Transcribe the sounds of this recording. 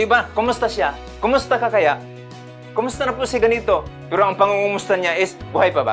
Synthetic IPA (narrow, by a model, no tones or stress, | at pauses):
ubakomʊst̪asia | komʊst̪akakajaʔ | kʊmʊst̪anapuseɡanit̪o | pɛɾoaŋpaŋuŋumʊst̪aɲaɪsbuɦajpaba̰